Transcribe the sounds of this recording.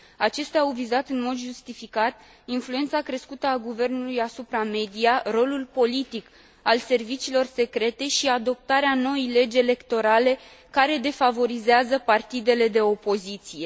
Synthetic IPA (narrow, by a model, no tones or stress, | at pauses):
at͡ʃe̞st̪eaːwvizat̪ɨnmo̞d̪ʒust̪ifikat̪̚ | influe̞nt̪sakɾe̞skut̪əaɡuve̞rnulujasupɾame̞d̪ijaro̞lulpo̞lit̪ik | alse̞rvit͡ʃiːlo̞rse̞kɾe̞t̪e̞ʃiad̪o̞p̚t̪aɾeano̞ejle̞d͡ʒe̞le̞kt̪o̞ɾale̞ | kaɾe̞d̪e̞favo̞ɾizeazəpart̪id̪e̞le̞d̪e̞o̞po̞zit̪sije̞